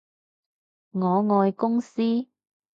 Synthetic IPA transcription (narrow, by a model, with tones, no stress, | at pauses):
ŋɔː˨˧ŋɔː˧jkʊ˥ŋsiː˥